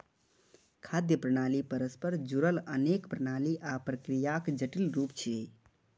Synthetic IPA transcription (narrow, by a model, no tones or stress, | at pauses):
kʰad̪jəpɾənalipəɾəspəɾd͡ʒuɾələnekpɾənaliʔapɾəkɾijakd͡ʒəʈilɾupt͡ʃʰie